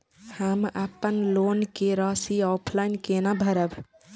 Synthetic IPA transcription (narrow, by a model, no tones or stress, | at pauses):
həməpːənloːnkeɾasiɔːpʰlainkenabʱəɾəb